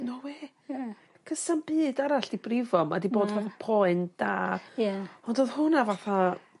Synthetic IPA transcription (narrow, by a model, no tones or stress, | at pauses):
nɔweː | kʰəsanb̥ɨːdaɾaɬd̥ibrɪvɔma̰diboːdvaθapʰɔjɨnd̥aːjaɔndoːðhʊnavaθa